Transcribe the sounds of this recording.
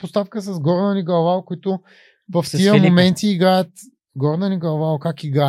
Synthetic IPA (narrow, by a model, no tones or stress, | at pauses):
post̪afkəs̬ɐzɡɔɾd̪ɐniɡɐvakʊit̪ʊ | vɐftiəmomɛnt̪iːɡɾajət̪ | ɡɔɾd̪ɐniɡɐlˠvakakiɡɾa